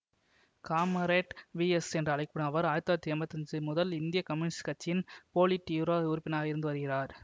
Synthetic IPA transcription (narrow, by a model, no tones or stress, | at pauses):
kaːmɐɾeːʈʋiːɛsɛndrɐɐɭɐɪkːɯɳɐɐʋɐɾaːjɐt̪ːɐːɐt̪ːiɐmbɐt̪ːɐɲd͡ʒɯmʊðɐlɪnd̪ɪjɐkɐmɪnɪskɐt͡ʃːɪnpoːlɪʈːjuːɾoːʊɾʊpːɪnaːɣɐɪɾɯnd̪ɯʋɐɾɯɣɪraːɾ